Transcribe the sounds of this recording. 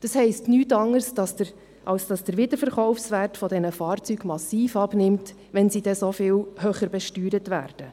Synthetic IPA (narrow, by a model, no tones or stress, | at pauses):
d̥ɑshɛɪstnyːtɑŋərsdɑsə | ʔɑlsd̥ɑsd̥əɾʋɪdəɾfəɾχɔʊfsʋærtfɔdɛnəfɑːrt͡syɡ̥mɑsiːfɑbnɪmt | ʋɛnsidɛsofɪːwhøχəɾbɛʃtyːɾətvæ̰ːrd̥ə